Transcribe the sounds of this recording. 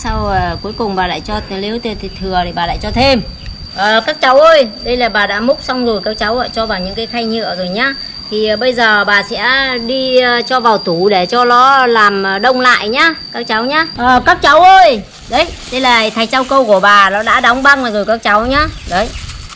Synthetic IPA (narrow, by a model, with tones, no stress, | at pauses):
sa˧wəː˨˩ku˨˦əjkʊ˨˩ŋ͡mɓaː˨˩la̰ː˧˨jt͡ɕɔ˧li˨˦əwt̪i˧t̪ʰi˨˩t̪ʰɨ˨˩əɾi˨˩ɓaː˨˩a̰ː˧˨jt͡ɕɔ˧t̪ʰe˧m | ʔəː˨˩kaː˦˥k̚t͡ɕa˨˦wʔəː˧jɗə˧jlaː˨˩ɓaː˨˩ɗa̰ː˧˥mʊ˦˥k͡p̚sa˧wŋ͡mzo˨˩jkaː˦˥k̚t͡ɕa˨˦wə̰ː˧˨˩t͡ɕɔ˧vaː˨˩wɲɨ̰˧˥ŋkaː˨˦jxa˧jɲɨ̰˧˨əzo˨˩jɲaː˨˧ | t̪ʰi˨˩˨ɓə˧jzəː˨˩ɓaː˨˩sɛ̰˧˥ɗi˧t͡ɕɔ˧vaː˨˩wt̪u˧˩ɗe˧˩t͡ɕɔ˧lɔ˨˦laː˨˩m˨˩ɗə˧wŋ͡mla̰ː˧˨jɲaː˧kaː˦˥k̚t͡ɕa˨˦wɲaː˧˥ʔəː˨˩kaː˦˥k̚t͡ɕa˨˦wʔəː˧j | ɗə˨˦jɗə˧jlaː˨˩t̪ʰa˨˩jt͡ɕa˧wkə˧wku˧˩əɓaː˨˩nɔ˨˦ɗa̰ː˧˥ɗa˨˦wŋ͡mɓa˧ŋlaː˨˩zo˨˩jkaː˦˥k̚t͡ɕa˨˦wɲaː˨˧˥ɗə˨˦j